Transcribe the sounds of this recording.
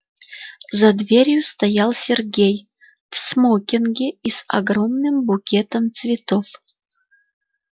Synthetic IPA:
zɐd̪vʲeɾʲjʊst̪ɐjalˠsʲerɡʲej | fsmokʲɪnɡʲɪisɐ̰ɡɾomnɨmbukʲet̪əmt̪svʲɪt̪of

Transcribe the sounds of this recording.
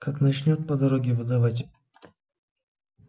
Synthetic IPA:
kaknɐt͡ɕnʲot̪̚pɐd̪ɐɾoɡʲɪvɨd̪avatʲ

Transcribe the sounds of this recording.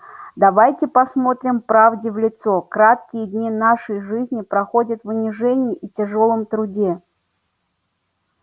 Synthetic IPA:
d̪ɐvajtʲɪpɐsmo̞t̪ɾʲɪmpɾavdʲɪvlʲɪt̪so̞kɾat̪kʲɪjədʲnʲinaʂəjʐɨzʲnʲɪpɾɐxodʲət̪vʊnʲɪʐɛnʲɪjɪʔitʲɪʐo̞lˠəmt̪ɾʊdʲe̞

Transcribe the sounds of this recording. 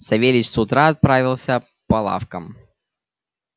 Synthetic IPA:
sɐvʲelʲɪt͡ɕsʊt̪ɾaɐt̪̚pɾavʲɪlˠsʲə | pɐlˠa̰fkəm

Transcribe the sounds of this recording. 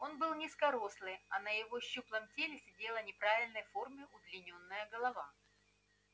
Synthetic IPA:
o̞nbɨlˠnʲɪskɐɾo̞slˠɨɐnəjɪvo̞ɕːuplˠəmtʲelʲɪsʲɪdʲe̞lˠənʲɪpɾavʲɪlʲnəjfo̞rmʲɪʔʊd̪lʲɪnʲo̞nːɨjəɡəlˠɐva

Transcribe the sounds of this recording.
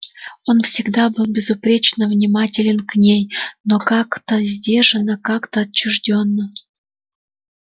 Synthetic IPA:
onfsʲɪɡd̪abɨlˠbʲɪzupɾʲet͡ɕnəvnʲimatʲɪlʲɪnknʲejnokɑkt̪əzʲdʲeʐənəkakt̪əɐt͡ɕːuʐdʲonːə

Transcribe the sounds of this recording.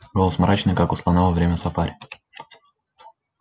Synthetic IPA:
ɡolˠəsmɾʔat͡ɕnɨjkakʊslˠanavəvɾʲemʲəsɐfaɾʲɪ

